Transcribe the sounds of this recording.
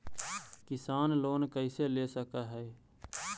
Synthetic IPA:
kɪsaːnloːnkəɪseleːsəkaɦɛː

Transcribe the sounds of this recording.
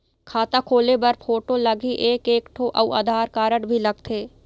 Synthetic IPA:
kʰaːt̪akʰoːlebɐɾpʰoːʈolɐɡʱiʔeːkeːkʈʰoʔɐua̰d̪ʱaːɾkaːɾəɽbʱilɐɡ̚t̪ʰeː

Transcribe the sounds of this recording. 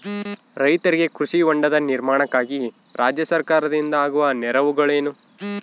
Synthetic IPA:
ɾɐjt̪ɐɾiɡe̞kɾuʃiʋoɳɖɐd̪ɐniɾmaːɳɐkːaːɡi | ɾaːd͡ʒjɐsɐɾkaːɾɐd̪ind̪ɐaːɡuʋɐnɛɾɐʋuɡɐɭe̞ːnu

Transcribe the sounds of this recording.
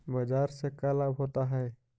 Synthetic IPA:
bɐd͡ʒaːɾsekəlabɦoːt̪aɦɛː

